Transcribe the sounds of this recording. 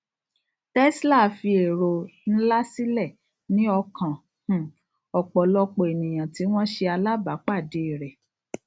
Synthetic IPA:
tɛ˦sla˦˨fi˧e˨ɾo˨n̩˦la˦si˦lɛ˦˨ | nĩ˦ɔ˧kã˨ | h̩˨ | ɔ˨k͡pɔ˨lɔ˧k͡po˨e˨nĩ˨j̃ã˨ti˨˦w̃ɔ̃˦ʃe˧a˧la˦ba˨˦k͡pa˦˨de˨˦i˨ɾɛ˨

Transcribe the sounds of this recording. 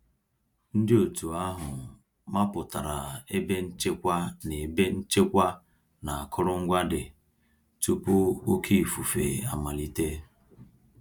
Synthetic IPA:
n̩˦dɪ˦o˨tu˨a˦ɦʊ˨ | ma˦pʊ˨ta˨ɾa˨e˦be˦n̩˦t͡ʃe˦kʷa˦ne˨be˦n̩˦t͡ʃe˦kʷa˦ | na˨a˨kʊ˦ɾʊ˦ŋ̩˦ɡʷa˦dɪ˨ | tu˦pʊ˦o˦kʰi˦i˨fu˨fe˨a˨ma˨li˦te˦

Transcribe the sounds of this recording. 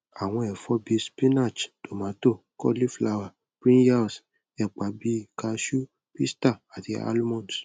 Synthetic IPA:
a˨w̃ɔ̃˧ɛ˨fɔ˧˦bi˧spi˦na˦˨t͡ʃto˨mã˨˦to˦˨kɔ̰˦li˦fla˧wa˨ | pɾĩ˦ja˦˨s | ɛ˨k͡pa˨˦bi˧˦ka˧ʃu˦ | pi˦sta˦˨a˨ti˧˦a̰˦lmɔ̃˦˨ns

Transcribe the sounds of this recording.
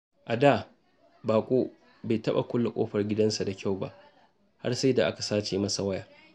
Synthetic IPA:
ʔa˨daː˦˨ | baː˨kʷʼoː˦ | ba˨jtɐ˦ɓa̰˨kʷʊ˦lːa˨kʷʼo̰ː˦ɸɐ˨rɡʲɪ˦dɐ˦nsa˨da˨kʲa˦˨wba̰˦ʔ | ha̰˦rsa˦da˨ʔa˦ka˨saː˦t͡ʃeː˨mɐ˦sa˨wɐ˦jaː˨

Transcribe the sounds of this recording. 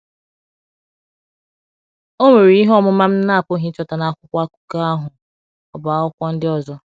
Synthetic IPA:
o˦me˨ɾi˨˦i˦ɦɔ˦mʊ˦ma˦m̩˦na˦a˨po˦ɦi˦t͡ʃɔ˨ta˨na˨a˨kʷʊ˦kʷa˦ku̥˦ka˦a˦ɦʊ˨ | ɔ˨ba˨˦ɔ˦kʷɔ˦n̩˦dɪ˦ɔ˦zɔ˦

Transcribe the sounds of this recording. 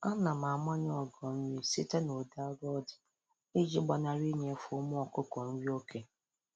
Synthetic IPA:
a˦na˨ma˨ma˦ɲ˦ɔ˨ɡɔ˨m̩˦wi˦si˦ta˦no˨da˦ɾɔ˦d | i˦d͡ʒi˦ɡ͡ba˨na˨ɾi˦ɲe˨˦fʊ˦mʊ˦ɔ˨kʊ˦kɔ˨n̩˦wi˦o˦kʰe˨

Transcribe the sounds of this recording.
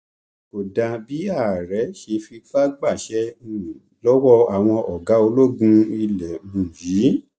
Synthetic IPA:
o˨dã˧bi˨˦a˦˨ɾɛ˨˦ʃe˧fi˧fa˦ɡ͡ba˦˨ʃɛ˦ũ˨ | lɔ˦wɔ˦a˨w̃ɔ̃˧ʔɔ˨ɡa˨˦o˧lo˦ɡũ˧i˧lɛ˨mũ˨ji˨˦

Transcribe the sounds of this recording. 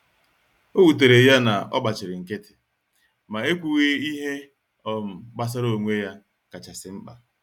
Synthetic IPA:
o˦wu˨t̬e˨ɾe˨ja˦na˨ɔ̰˦ɡ͡ba˨t͡ʃɪ˨ɾɪ˨ŋ̩˨ke˦tɪ̥˨ | ma˨e˦kʷu˨ɣe˦i˦ɦe˦ | ɔ˦m̩˨ɡ͡ba˦s̬a˦ɾo˨ŋʷe˦ja˦ | ka˨t͡ʃa˨sɪ˨ŋ͡m̩˦k͡pa˨

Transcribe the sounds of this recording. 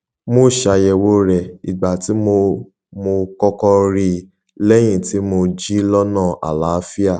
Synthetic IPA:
mo˦˨ʃa˧jɛ˧˨wo˦ɾɛ˨i˨ɡ͡ba˨ti˨˦mo˧ | mo˧kɔ˦kɔ˧ɾi˧ | lɛ˦j̃ĩ˦˨ti˨˦mo˧d͡ʒi˦lɔ˦nã˦˨ʔa̰˨la˨˦fi˦a˦˨

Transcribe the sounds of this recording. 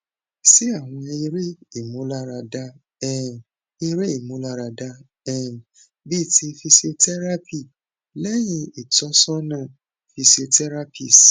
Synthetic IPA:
si˦a˦˨w̃ɔ̃˧i˧ɾe˦i˦˨mũ˨˦la˦ɾa˧da˧ | ɛ˨ | i˧ɾe˦i˦˨mũ˨˦la˧ɾa˧da˧ | ɛ˨ | bi˦˨tʰi˧fi˧se˧tɛ˦ɾa˦pi˦˨ | lɛ˦j̃ĩ˧i˦˨tɔ˨˦sɔ˦nãː˦˨ | fi˧se˧tɛ˦ɾa˦pi˦˨s

